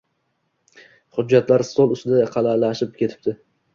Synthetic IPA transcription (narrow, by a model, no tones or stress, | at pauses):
χʊd͡ʒːat̪laɾsolˠʊst̪ɪd̪aqʰɑlalaʃɪp̚kʲʰe̞t̪ʰɪ̥p̚d̪ɪ